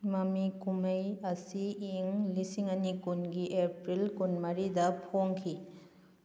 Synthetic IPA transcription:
mɐmikumɐjɐsiːŋlisiŋɐnikunɡiʔepɾilkunmɐɾidɐpʰoŋkʰi

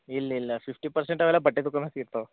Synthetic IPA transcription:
ilːɐilːɐpʰipʈipɐɾseɳʈɐʋɛlːɐbɐʈːed̪ukːɐmesiiɾt̪ɐʋ

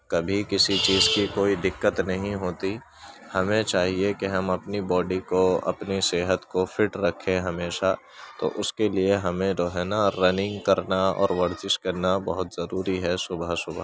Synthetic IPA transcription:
kɐbʱikɪsit͡ʃiːzkikoːid̪ɪkːət̪nɐɦĩɦoːt̪i | hɐmẽt͡ʃaːɦiekeɦɐmɐpnibɔːɖikoɐ̰pniseːɦət̪kofʰɪʈɾɐkʰːẽɦɐmeːʃa | t̪o̰ʔʊskelieɦɐmẽɾoːɦɛnaɾɐnɪ̃ŋɡkɐɾnaɔ̰ːɾʋɐɾzɪʃkɐɾnabɐɦʊt̪zɐɾuːɾiɦɛsʊbʱəsʊbʱa

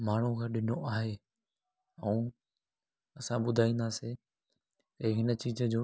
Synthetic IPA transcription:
maːɳ̤ukʰãːɗɪnoʔaːɦeː | ɐũ | ɐsãɓʊd̪ʱaːĩːnd̪aːse | t̪ɐɦɪnə̆t͡ɕiːzəd͡ʑoː

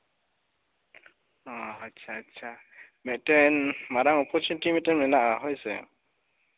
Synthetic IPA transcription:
ɔatːʃʰaːtːsʰa | mɛtɛnmaɾaŋɔpʰɔt͡ʃunitimitɛnmɛnaʔaɦɔjsɛ̰

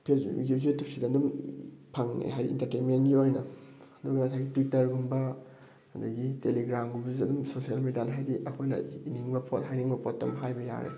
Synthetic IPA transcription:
pʰeɡuzetip̚sidɐdumpʰaŋnḛɦajdḭḭntɐɾtenmenɡiojnɐɐduɡɐŋɐsajɡitwitːɐɾɡumbɐ | ɐdɐɡiteliɡɾamɡubzidɐdumsosijalmedianɐɦajdiʔɐkʰojnɐ̰iniŋbɐpʰot̚ɦajniŋbɐpʰotːɐ̰mɦajbɐja̰ɾḛ

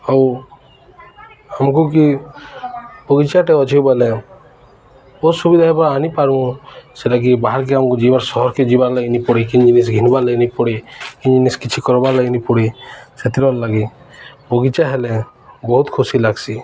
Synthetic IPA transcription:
aw | amkuk̬i | pɔɡit͡ʃaʈeɔt͡ʃʰiwbale | ɔsubid̪ʱaɦɛpɔaːnipaɾũseʈak̬ibaɦaɾk̬iamkud͡ʒibaɾsɔɦɔɾked͡ʒibaɾlaɡinipɔɽikiɲd͡ʒinis̬ɡʱinbaleinipɔɽikiɲd͡ʒiniskit͡ʃʰikɔɾɔbalaɡinipɔɽiset̪iɾɔɾlaɡi | pɔɡit͡ʃaɦele | bɔɦut̪kʰusilaɡsi

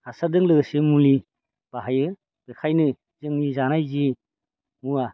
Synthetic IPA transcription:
asadɯŋlɯɡsemuli | b̥aɦajɯ | b̥ekʰajnɯ | zɯŋnizanajzi | mua

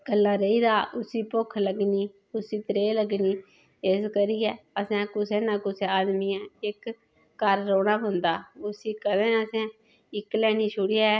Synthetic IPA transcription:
ɡəlːaːɾəiːd̪aːʊsiːpʊkʰləɡniː | ʊsiːt̪ɾeːləɡniː | eskəɾiːɛːəsãːkʊsẽːnãːkʊseːaːd̪miːãːɪkː | əɾːoːɽaːbʊnd̪aːʊsiːkəd̪ẽːəsɛ̃ː | ɪklɛːniːʃʊɽiaː

